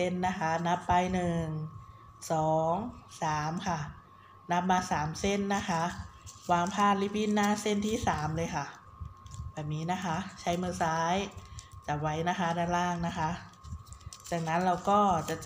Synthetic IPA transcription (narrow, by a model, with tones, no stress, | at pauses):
e˥˩nːa˦˥kʰa˦˥na˦˥pːa˧jnɯ˨˩ŋ | sɔː˩˦ŋsaː˩˦mkʰa˥˩ | na˦˥p̚maː˧saː˩˦mse˥˩nːa˦˥kʰa˦˥ʔwaː˧ŋpʰaː˥˩t̪̚li˦˥˩p̚ʰi˥˩nːaː˥˩se˥˩nt̪ʰiː˥˩saː˩˦mlɤː˧jkʰa˥˩ | bɛː˨˩p̚niː˦˥na˦˥kʰa˦˥t͡ɕʰa˦˥jmɯː˧saː˦˥jt͡ɕa˨˩wa˦˥jna˦˥kʰa˦˥daː˧˩laː˥˩ŋna˦˥kʰa˦˥ʔ | t͡ɕaː˨˩ŋ̚na˦˥nɾa˧wkɔː˥˩t͡ɕa˨˩